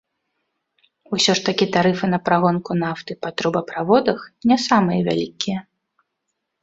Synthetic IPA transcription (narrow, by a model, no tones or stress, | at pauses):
usʲɔʂt̪ɐkʲit̪aɾɨfɨnɐpɾaɣɔnkunaft̪ɨpɐt̪ɾubɐpɾavɔd̪ɐxnʲɛsamɨjɐvʲa̰lʲikʲijɐ